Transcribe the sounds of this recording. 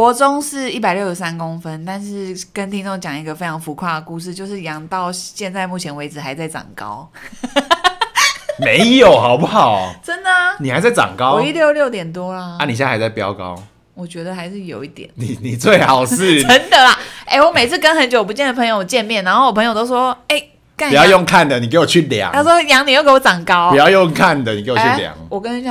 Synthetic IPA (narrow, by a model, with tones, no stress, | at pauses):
kwɔ˧˦˥t͡so˦ŋʂɻ̩˥˧i˥˩pa˨ɪljo˥˩ʊʂ̩˧˥sa˦nkʊ˦ŋfə˦nt̪a˥˧nʂɻ̩˥˩kə˦nt̪ʰi˥ŋt͡so˥˧ŋt͡ɕjɑ˨˩ŋi˧˥ɡə˧fe˧˥ɪʈ͡ʂʰɑ˧˥ŋfu˧˥kʰwa˥˩d̪ə˩ku˥˧ʂ̬ɻ̩˥˧t͡ɕjo˥˧ʊʂ̬ɻ̩˥˩jɑ˧˥ŋt̪ɑ˥˧ʊɕjɛ˥˧nt͡sa˥˧ɪmu˥˩t͡ɕʰjɛ˧˥nwe˧˥ɪd͡zɹ̩˨˩xa˧˥ɪt͡sa˥˩ɪt͡sɑ̰˨˩ŋkɑ̰˦ʊ | me˨˧˦ɪjo˨˩ʊxɑ˨˩ʊpu˥˩xɑ˨˩ʊʈ͡ʂə˦nd̪ə˨ni˨˩xa˧˦ɪt͡sa˥˩ɪt͡sɑ̰˨˩ŋkɑ˦wɔ˨˦i˥ljo˥˧ʊljo˥˩ʊt̪jɛ˨˩nt̪̬wɔ˥la˨a˥˩ni˨˩ɕ̬ja˥˧˩ha˧˦ɪt͡sa˥˩ɪpjɑ˦˥ʊkɑ̰˦ʊ | wɔ˨˩t͡ɕɥɛ˧˥d̪ə˧xa˧ɪʂɻ̩˥˩jo˨˩ʊi˥˩t̪jɛ̰˨˩˦nni˨˩ni˨˩t͡swe˥˩ɪxɑ˨˩ʊʂɻ̩ʰ˥˨ə˧˥ŋd̪ə˨la˨˦ʔe˥˩ɪwɔ˧˦me˨ɪt͡s̩ʰ˥˩kə˥nxə˧˥nt͡ɕjo˨˩ʊp̬u˧t͡ɕjɛ˥˩nd̪ə˩pʰŋjo˧˩˨t͡ɕjɛ˥˧nmjɛ˥˩nːa˧˥nxo˥˩˨wɔ˨pʰə˧ŋjo˨˩t̪o˥ʊʂwɔ˥e˥˩ɪ | ka˥˩˨jjɔ˥˧ŋkʰa˥˩nd̪ə˩ni˨k̬e˧˥ɪwɔ˨˩t͡ɕʰy˥˨lja̰˨˦ŋa˥swɔ˥˩jɑ˧˥ŋni˨˩jke˥wɔ˧˦˥t͡sɑ˨˩ŋkɑ˦˥ʊ˨˦jɑ˥˧jo˥˧ŋkʰa˥˨nd̪ə˨˩ni˨ke˧˦wɔ˨y˥lja̰˨˩˦ŋwɔ˨˩kə˦n˥˩ɕ